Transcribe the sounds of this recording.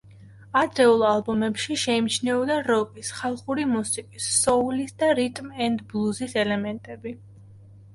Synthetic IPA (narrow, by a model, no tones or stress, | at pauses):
ad̪ɾɛulˠalˠbumɛpʃiʃɛimt͡ʃʰnɛɔd̪aɾɔkʼisχalˠχuɾimusikʼisːɔulisd̪aɾit̪ʼmɛnd̪blˠuzisɛlɛmɛnt̪ʼɛbi